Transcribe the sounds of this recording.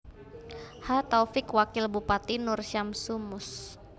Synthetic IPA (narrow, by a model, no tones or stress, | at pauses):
hat̪afɪkwakɪlbupat̪inʊrʃamsumʊs